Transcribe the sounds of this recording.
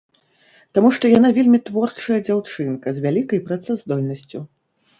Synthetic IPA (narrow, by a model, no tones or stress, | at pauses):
t̪amuʂt̪ɔjanavʲelʲmʲit̪vɔrt͡ʂɐjɐd͡zʲawt͡ʂɨnkɐzʲvʲalʲikɐjpɾat̪sɛzd̪ɔlʲnɐsʲt͡sʲu